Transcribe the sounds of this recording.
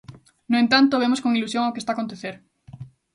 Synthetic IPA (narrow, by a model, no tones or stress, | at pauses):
noẽnt̪ant̪oβ̞emoskoŋilusjoŋokest̪aːkont̪eθeɾ